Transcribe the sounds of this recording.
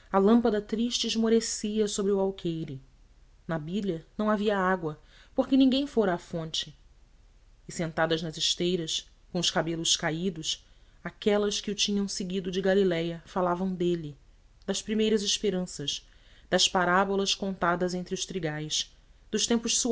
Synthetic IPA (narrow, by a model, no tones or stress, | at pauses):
ɐlɐ̃mpɐd̪ɐt̪ɾiʃt͡ʃɪːʒmoɾesiɐsobɾɪuwawkʰejɾʊ | nɐbilɐnɐ̃w̃aviɐaɡwɐ | poɾkɪnĩŋɡẽj̃foɾɐːfõnt͡ʃɪ | ɪsẽnt̪ad̪ɐznɐzɪʃt̪ejɾɐs | kõw̃ʊʃkabelʊʃkaid̪ʊʃ | akɛlɐskɪʊt͡ʃĩɲɐ̃w̃seɡid̪ʊd͡ʒɪɡalilɛjɐfalavɐ̃w̃d̪elɪ | d̪ɐspɾimejɾɐzɪʃpeɾɐ̃sɐʃd̪̥ɐspaɾabolɐskõnt̪ad̪ɐzẽnt̪ɾɪʊʃt̪ɾiɡajs | d̪ʊʃt̪ẽmpʊʃsu